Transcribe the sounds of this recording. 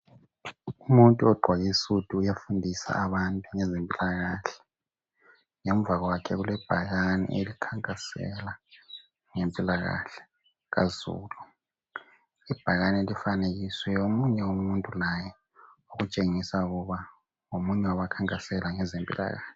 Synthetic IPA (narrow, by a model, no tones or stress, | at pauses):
umuntʼuɔɡ͡ǃʱwaɣisutʰʼuːjafundʱisa̰aβantʼuŋɛzempʼilaɣaːɬɛ̥ | ŋɛmvaɣwakʰɛɣulɛb̥ʱaɣanḭʔelikʰaŋkʼasɛ̰la | ŋempʼilaɣa̰ɬɛ̥ | ɣazṵːlu | ib̥ʱaɣanelifaneɣiswɛjomuɲɛumuntʼulajɛ | uɣut͡ʃʼeŋisauɣuβa | ŋomuɲɛwaβakʰaŋkʼasɛlaŋɛzempʼḭla̰ɣa̰ːɬɛ